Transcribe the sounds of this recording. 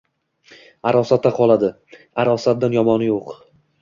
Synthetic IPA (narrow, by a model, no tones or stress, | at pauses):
aɾɒsat̪ːaqʰɒlˠad̪ɪ | aɾɒsat̪̚d̪anjɒmɒnɪjoq